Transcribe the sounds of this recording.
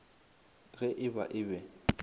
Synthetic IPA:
ɣɛʔɪba̰ʔɪbɛ

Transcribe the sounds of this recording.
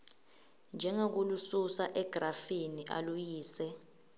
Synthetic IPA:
nd͡ʒʱɛŋok̬ulususaʔɛɡ̥rafiniʔa̰lujiːsɛ

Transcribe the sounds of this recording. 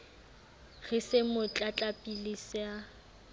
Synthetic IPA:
ɣɪsɪmʊt͡ɬʼat͡ɬʼapʼilɪsɪa

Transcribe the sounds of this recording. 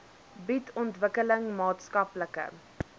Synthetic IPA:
bitʰɔntvəkələŋmɑːtskɐpləkə̰

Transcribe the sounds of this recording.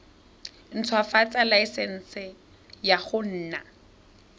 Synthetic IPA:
n̩t͡sʰwafat͡sʼalaɪsɛn̩ːsɪ | jaχʊn̩ːna

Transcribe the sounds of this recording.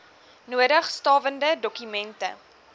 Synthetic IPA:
nuədəχstɑːvəndədɔkymɛntə̰

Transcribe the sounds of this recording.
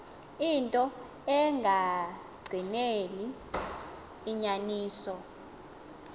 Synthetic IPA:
intʼɔ | ɛŋʱa | ɡ͡ǀʱineli | ɲaniːsɔ

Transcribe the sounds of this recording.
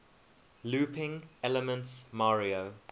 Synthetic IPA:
luːpɪ̃ŋɛləmə̃ntsmaɹio

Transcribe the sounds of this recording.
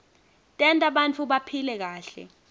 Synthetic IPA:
tʼɛntʼaɓant͡fʰuɓapʰilɛk̬aːɬɛ̰

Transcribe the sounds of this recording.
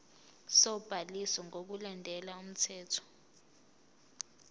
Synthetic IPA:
sɔb̥ʱalisɔŋok̬ulandʱɛlaum̩tʰɛːtʰɔ̥

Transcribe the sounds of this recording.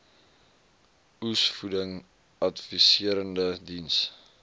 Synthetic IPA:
usfudəŋ | ɐtfisiəɾəndədins

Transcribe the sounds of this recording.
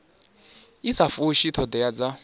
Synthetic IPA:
isafuʃit̪ʰɔdɛjad͡za

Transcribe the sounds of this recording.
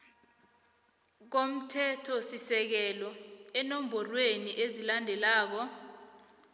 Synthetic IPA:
k̬om̩tʰɛtʰɔsisɛk̬ɛlɔɛnom̩bʱɔrweniʔezilandʱɛlaːk̬ɔ

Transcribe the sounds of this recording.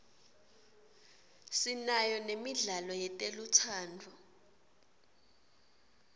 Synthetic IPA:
sinajɔnemiɮalɔjɛtʼelutʰaːndʱu

